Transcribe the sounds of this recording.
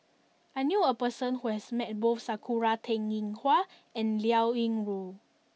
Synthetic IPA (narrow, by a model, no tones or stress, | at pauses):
ajnjuəpəsə̃nhuhɛsmɛt̚bofsakʰuɹatʰɛ̃ŋĩŋhwa | ɛ̃nliawĩŋɹu